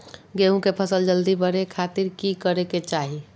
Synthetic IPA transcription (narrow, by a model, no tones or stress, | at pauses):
ɡeɦũkepʰəsəld͡ʒəld̪ibəɽekʰat̪iɾkikəɾeket͡ʃaːɦi